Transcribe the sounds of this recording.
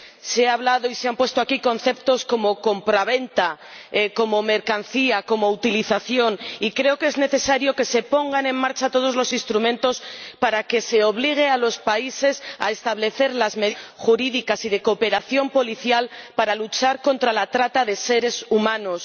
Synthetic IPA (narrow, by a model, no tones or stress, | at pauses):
seaβ̞laðo̞iseampwe̞st̪o̞akiko̞nθe̞p̚t̪o̞sko̞mo̞ko̞mpɾaβ̞e̞nt̪a | eko̞mo̞me̞ɾkan̟θiako̞mo̞ut̪iliθaθjo̞nikɾe̞okezne̞θe̞saɾjo̞ke̞se̞po̞ŋɡanẽ̞ŋmaɾt͡ʃat̪o̞ð̞o̞zlo̞sinst̪ɾumẽ̞nt̪o̞spaɾake̞se̞o̞β̞liɣ̞e̞alo̞spaise̞sa̰e̞st̪aβ̞le̞θe̞ɾlazme̞xuɾiðikasiðe̞ko̞pe̞ɾaθjo̞mpo̞liθjalpaɾalut͡ʃaɾko̞nt̪ɾalat̪ɾat̪aðe̞se̞ɾe̞sumãno̞s